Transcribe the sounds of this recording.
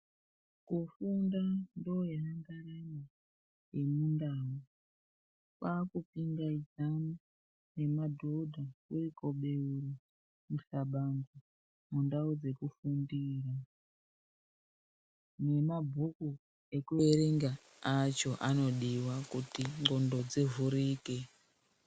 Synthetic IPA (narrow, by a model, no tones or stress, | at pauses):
kufundandoeraŋɡaɾaɲa | jemundaːo | kaːkupiŋɡaizamu | ne̞madʱo̞dʱakuriko̞ɓe̞uri | musaɓaŋɡo | mundaod͡ze̞kufundiːra | ne̞mabʱuku | e̞kueɾeŋɡa | at͡ʃo̞ʔano̞ɗiwakutiŋ͡ǃo̞ndo̞d͡zevuɾiːke